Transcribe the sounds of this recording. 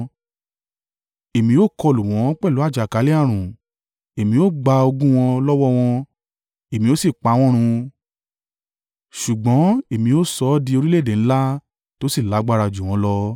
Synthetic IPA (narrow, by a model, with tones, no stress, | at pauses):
e˨mĩ˧˦o˦˨kɔ˧lu˨w̃ɔ̃˨˦k͡pɛ˦˨lu˨˦a˦˨d͡ʒa˨ka˨˦le˦a˦˨ɾ̃ũ˨ | e˨mĩ˧˦o˦˨ɡ͡ba˧o˧ɡũ˦w̃ɔ̃˧lɔ˦wɔ˦w̃ɔ̃˧ | e˨mĩ˧˦o˦si˦˨k͡pa˨˧˦w̃ɔ̃˦ɾ̃ũ˧ | ʃu˨ɡ͡bɔ̃˨˦e˦˨mĩ˧o˦˨sɔ˧˦di˧o˧ɾi˦le˦˨dẽ˨˦la˦ | to˦si˦˨la˨˦ɡ͡ba˦˧ɾa˧d͡ʒu˨w̃ɔ̃˨˦lɔ˧